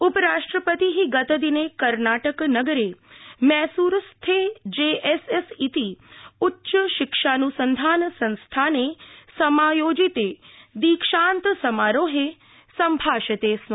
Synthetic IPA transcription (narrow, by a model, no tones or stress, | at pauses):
ʊpəɾaʂʈɾəpət̪iɦiɡət̪əd̪inekəɾnaʈəknəɡəɾemɛɦsuɾst̪ʰed͡ʒeʔesesit̪iʊtːʃəʃɪkʃanusənd̪ʱansə̃nst̪ʰanesəmajoːd͡ʒit̪ed̪iːkʃant̪səmaɾoɦe | səmbʱaːʃət̪eːsno